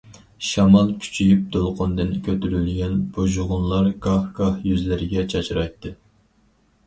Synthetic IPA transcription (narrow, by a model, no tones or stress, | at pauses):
ʃɑmɑlˠkʲʰy̥t͡ʃʰijyp̚d̪olˠqʰʊnd̪ɨnkʲʰøt̪yɾylɡʲɛnb̥oʒʊʁʊnlˠɑɾɡɑhɡ̥ɑhjyzlɪɾɪɡʲɛt͡ʃʰɑt͡ʃʰɾɑjt̪ːɨ